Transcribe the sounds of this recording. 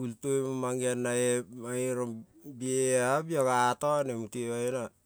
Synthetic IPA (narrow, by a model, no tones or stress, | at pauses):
ultoemamaŋianːaemaiɾombieabjoɡatonemuteβaena